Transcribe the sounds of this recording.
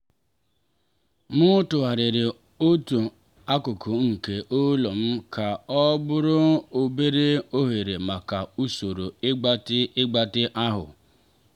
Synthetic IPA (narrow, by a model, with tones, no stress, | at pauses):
mʊ˦tʊ˨a˨ɾɪ˨ɾɪ˨ | o˦tu˨ | a˦kʊ˨kʰʊ˨ŋ̩˨ke˨ʔo˦lo˨m̩˦ka˨ɔ˦bʊ˦ɾʊ˦o˦be˦ɾe˦o˦ɦe˨ɾe˨ma˨ka˨u˦so˨ɾo˨ɪ˦ɡ͡ba˦tɪ˦ɡ͡ba˦tɪ˦ʔa˦ɦʊ̰˨